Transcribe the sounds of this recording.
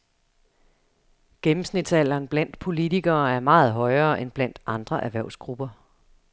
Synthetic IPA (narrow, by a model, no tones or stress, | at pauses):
ɡ̥emm̩snid̥sæl̰ɐːnb̥læn̰d̥pʰo̝lit͡sʰiɡ̥ɐːæɐmɑ̈ːð̞̩ˠɦɒ̽ɪɐːʔenb̥læn̰d̥ɑ̈nd̥ʁɐʔæɐʋæɐʊ̰sɡ̥ʁub̥ɐ